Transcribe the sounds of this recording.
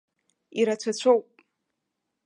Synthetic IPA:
iɾat͡ɕʷʰat͡ɕʷʰowpʼ

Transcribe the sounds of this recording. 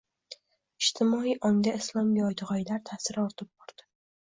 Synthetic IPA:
ɪʃt̪ʰɪmɒijʔɒŋd̪aɪslˠɒmɡʲɒjd̪ɪʁɒjlaɾt̪ʰasɪɾɒɾt̪ʰɪp̚bɒɾd̪̥ɪ̥

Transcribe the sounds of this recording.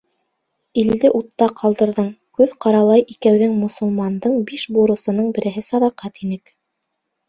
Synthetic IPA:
ild̪ɘʔut̪ːɑqʰɑlˠd̪ɤ̆ɾðɤɴkʉðqɑɾɑlˠɑjʔikæwðɘŋmŏsŏlˠmɑnd̪ɤɴbiʃbuɾɤ̆sɤ̆nɤɴbɘ̆ɾɘ̆ɦɘsɑðɑqæt̪inɘk

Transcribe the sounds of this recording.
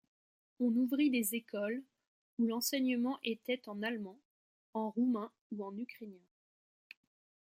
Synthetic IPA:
ɔ̃nuvʁid̪ezekʰɔl | ulɑ̃sɛɲəmɑ̃ʔet̪ɛt̪ɑ̃nalmɑ̃ | ɑ̃ʁumɛ̃ | uɑ̃nykχenjɛ̃

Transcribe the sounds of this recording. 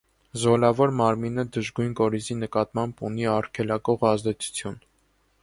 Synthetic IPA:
zɔlɑvɔɾmɑɾminəd̪əʒɡujnkɔɾizinəkɑt̪mɑmbuniɑrkʰɛlɑkɔʁɑzd̪ɛt͡sʰu̥t͡sʰjun

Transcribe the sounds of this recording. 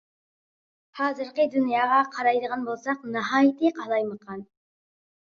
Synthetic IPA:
hɑːzɨɾqəd̪ynjɑːʁɑqʰɑɾɑjd̪əʁɑnbolˠsɑqnəɦɑːjɪt̪ʰɨqʰɑlˠɑjməqʰɑn

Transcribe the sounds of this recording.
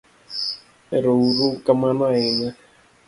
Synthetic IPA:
eɾouɾukamanaɪɲa

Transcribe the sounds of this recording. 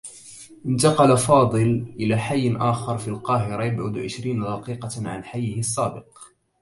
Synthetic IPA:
ʔɪnt̪ɑqɑlafɑːd̪ˤɨlʔɪlaːħajːnʔaːxɑɾˤfilqɑːɦɪɾˤajabʕʊd̪ʕɪ̰ʃɾiːnad̪ɑqiːqɑʕa̰nħajːɪhɪɑsˤːaːbɪq

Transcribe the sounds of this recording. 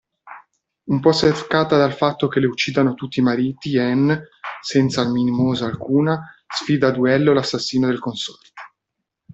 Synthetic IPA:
umpɔsːetkaːt̪ad̪alfat̪ːok̟eleut͡ʃːiːd̪anot̪ut̪ːiːmaɾiːt̪iɛnsɛnt̪salminimoːzaːlkuːna | sfiːd̪ad̪uɛlːolasːasːiːnod̪elkonsɔ̥rt̪o̥

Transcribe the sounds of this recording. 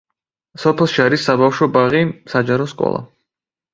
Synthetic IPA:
sɔpʰɛlˠʃiaɾisːabafʃɔbaʁisad͡ʒaɾɔskʼɔ̰lˠa̰

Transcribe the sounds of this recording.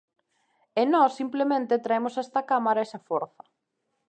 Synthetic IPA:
enɔsːimplemẽnt̪et̪ɾaemosɛst̪ɐkamaɾaɛsɐfoɾθɐ

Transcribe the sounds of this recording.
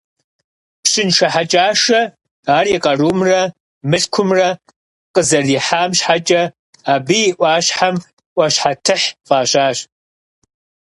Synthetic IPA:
pɕɪnʃɐħat͡ʃʼaːʂɐ | aːriːqʼɐruːmrɐ | mɨɬkʷʰʊmrɐ | qʼəzɐriːħaːmɕħat͡ʃʼɐ | aːbijːʔʷɑːɕħam | ʔʷɐɕħatʰɨħfaːɕaːɕ

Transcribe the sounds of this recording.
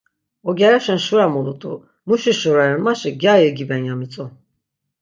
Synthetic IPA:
ɔɡʲɛɾɛʃɛnʃuɾamulˠut̪ʰʼṵ | muʃiʃuɾaɾɯnmaʃɯɡajɯɡibɛnjamit͡sʼɔ

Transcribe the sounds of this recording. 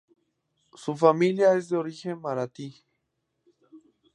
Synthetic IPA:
sufamiljaes̬d̪eoɾixeŋmaɾat̪i

